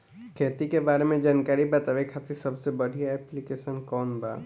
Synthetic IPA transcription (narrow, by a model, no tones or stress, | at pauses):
kʰeːt̪ikebaːɾemẽd͡ʒaːnkaːɾibɐt̪aːʋekʰaːt̪isɐbsebɐɽ̤ʱijaɛːplikeːʃənkɔːnba̰ː